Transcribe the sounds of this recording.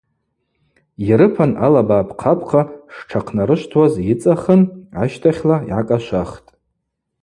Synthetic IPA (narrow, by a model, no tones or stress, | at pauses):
jiɾɨpʰanalabaːpʰqʰapʰqʰaʂʈ͡ʂʰaqʰnaɾɨʃʷtʰwazit͡sʼaχəna̰ʃtʰaχʲlaḭʕakʼaʃʷaχtʼ